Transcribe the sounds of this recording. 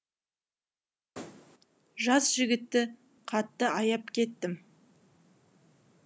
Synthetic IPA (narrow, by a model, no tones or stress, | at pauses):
ʒɑsʒ̥ɪɡʲɪt̪ːɪ | qʰɑt̪ːəɑjɑpkʲʰe̞t̪ːɪm